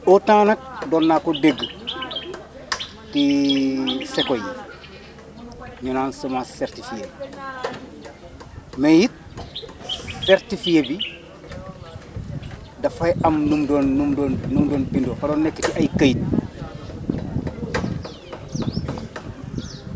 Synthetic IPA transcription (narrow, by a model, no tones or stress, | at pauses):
otãnɐk̚dɔnːakodeɡː | ti | sekoj | ɲɔnaːnsomaseɾtifije | mejit̚ | seɾtifijebi | dɐfajamnumdonːumdonnumdoːnpindofadonːekːetiʔajkajit̚